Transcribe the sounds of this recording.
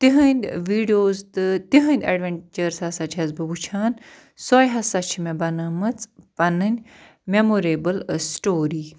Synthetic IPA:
t̪iɦɐnʲd̪ʋiːɖijoːzt̪ɨt̪iɦɐ̃nʲd̪ʲɐ̰ɖʋeɳt͡ʃɐɾshɐsat͡ʃʰɐzbɨbut͡ʃʰaːn | sɔːjɦɐsɐt͡ʃʰimẽbɐnamɐt͡spɐnɨnʲ | memoɾeːbəlsʈoːɾiː

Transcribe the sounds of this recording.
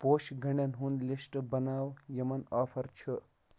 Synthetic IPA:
poːʃɡʱɐɳɐnɦund̪lisʈbɐnaːwjɐmɐnaːfʰɐɾt͡ʃʰə

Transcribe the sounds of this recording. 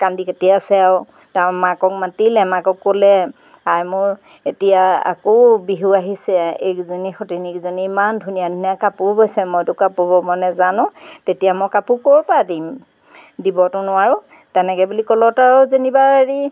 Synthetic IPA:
kandiketijasɛw | tamakɔk̚matilɛmakɔkːolɛ | ajmʊɹ | etijaa̰kobiɦuaɦisɛḛkzonixɔtinikzoniːmandʱunijadʱunijakapʊbojsɛmɔjtʊkapɔbɔmɔnɛzanʊ̃tetijamɔjkapukoɹpadim | dibɔtʊnʊwaɹʊ | tɛnɛkɛbulikɔlɔtaɹɔzenibaɹi

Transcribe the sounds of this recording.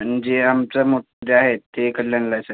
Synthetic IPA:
ənd͡ʑeamt͡samoʈʰd̪eaɦet̪ːekəljanlasə

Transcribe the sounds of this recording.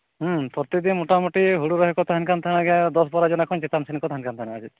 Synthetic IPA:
ɦupɔɾt̪id̪inmuʈamuʈiɦuɽuɾɔɦikɔt̪aɦankant̪ʰaɽ̃aɡɛd̪ɔsbɔɾad͡ʒɔnakʰɔnt͡ʃet̪amsenkɔt̪aɦankant̪ʰanaad͡ʒʰit̪

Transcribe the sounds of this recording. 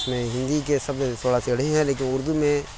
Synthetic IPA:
smẽɦɪ̃nd̪ikesɐbset̪ʰoːɽaseɽ̤ẽɦɛ̃leːkɪnʊɾd̪umẽ

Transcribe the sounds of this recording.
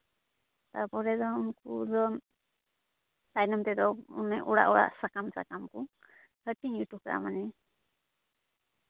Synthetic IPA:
t̪apɔɾɛd̪ɔunkud̪ɔ | sajnɔmt̪ɛd̪ɔunɛʔɔɽa̰ʔɔɽa̰ʔsakamsa̰kamku | həʈiŋjuʈukaʔa̰manɛ

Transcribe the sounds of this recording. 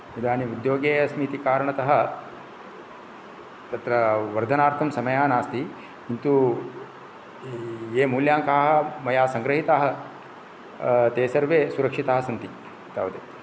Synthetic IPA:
id̪ʱaːniud̪joːɡeːɐsmit̪ikaːɾɐɳɐt̪ɐɦɐ̆ | t̪ɐt̪ɾɐʋɐɾd̪ʱɐnaːɾt̪ʰɐmsɐmɐjaːnaːst̪i | int̪u | eːmuːljaːŋkaːɦɐ̆mɐjaːsɐŋɡɾɐɦit̪aːɦɐ̆ | t̪eːsɐɾʋeːsuɾɐkʂit̪aːɦɐsɐnt̪i | t̪aːʋd̪e

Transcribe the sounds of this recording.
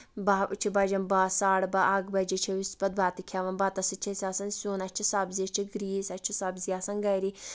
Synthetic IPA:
bat͡ʃʰibɐd͡ʒɐmbaːsaːɽbɐʔɐɡbɐd͡ʒit͡ʃʰiʋispɐd̪̚baːt̪ikʰaʋɐnbɐt̪ɐsɨt͡ʃʰɐsʲaːsɐnsʲoːnɐt͡ʃʰisabziɐt͡ʃʰiɡɾiːsɐt͡ʃʰisabziaːsɐnɡɐjɾi

